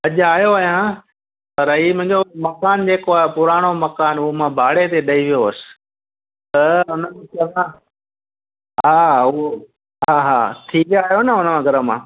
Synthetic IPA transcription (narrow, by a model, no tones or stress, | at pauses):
ɐʄaːjoaːjã | pɐɾɦiːmʊ̃ɦɪ̃ɲd͡ʑomɐkaːnd͡ʑeːkoaːpʊɾaːɽ̃omɐkaːnʊɦomãbʱaːɽet̪eɗɐiʋijoəsɪ̥̆ | t̪ɐʊnəmẽkɐʋã | ɦaːʊɦo | ɦaːɦa̰ːt̪ʰiːʋaaːɦijonəʊnəmãɡʱɐɾəmãː